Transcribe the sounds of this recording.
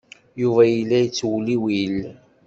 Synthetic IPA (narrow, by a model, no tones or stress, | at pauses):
juvæjəlːæjət͡sːwliwil